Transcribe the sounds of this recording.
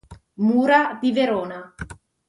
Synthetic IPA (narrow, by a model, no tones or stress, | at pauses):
muːɾad̪iveɾɔːna